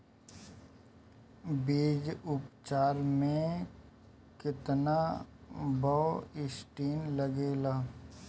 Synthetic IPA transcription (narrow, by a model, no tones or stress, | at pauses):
biːd͡ʒʊpt͡ʃaːɾmẽ | kɪt̪na | baːɪsʈiːnləɡeːlaː